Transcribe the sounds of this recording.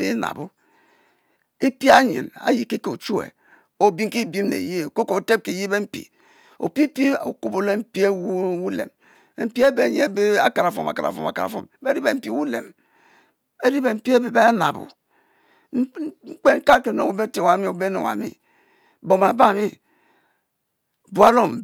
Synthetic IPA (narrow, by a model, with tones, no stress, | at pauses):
be˦na̰˨bu˦ | e˦pi˦a˦ɲḭ˨na̰˦ji˨˦ke˦ke˨o˨t͡ʃu˦ḛ˨ | o˨bi˦ŋ˦ki˦˨bi˦m˦nḛ˨ji˦e˨ko˦ko˨te˦p̚ki˨ji˦be˦m̩˦pḭ˨ | o̰˨pi˦pi˦o̰˨ku˦bo˨le˦m̩˦pi˦e˦wu˦wu˦lḛ˨m˨ | m̩˦pi˦e˦be˦˨ɲḛ˦e˦be˦a̰˨ka˨ɾa˨fo̰˨ma̰˨ka˨ɾa̰˨fo̰˨ma̰˨ka˨ɾa̰˨fo̰˦m˦be˦ɾi˦be˨m̩˦pi˨˦wu˦lḛ˨m | e˦ɾi˦be˨m̩˦pi˦e˦be˨be˦na̰˨bṵ˨˦ | ŋ͡m̩˦k͡pe˦ŋ̩˦ka˦ke˨no̰˨˦wo˦be˦te˨wa˨˦mi˦o˨be˦no̰˨a̰˨mḭ˦˨ | bo˨ma˨ba˦˨mi˦˨ | bu˨a˦ɾo˦m˨